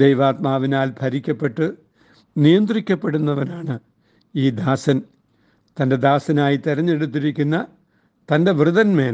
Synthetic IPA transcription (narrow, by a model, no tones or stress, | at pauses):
d̪ejʋaːt̪maːʋinaːlbʱɐɾikʲːɐpːe̞ʈːɨ | nijɐnd̪rikʲːɐpːe̞ɽunːɐʋɐnaːɳɨ | iːd̪aːsɐn | t̪ɐnde̞d̪aːsɐnaːjit̪iɾɐɲːe̞ɽut̪̬ːiɾikʲːunːɐ | t̪ɐnde̞ʋrɨðɐnme̞ːl